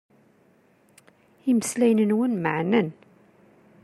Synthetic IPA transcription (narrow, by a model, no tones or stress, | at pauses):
iməslæjnənwənməʕnæn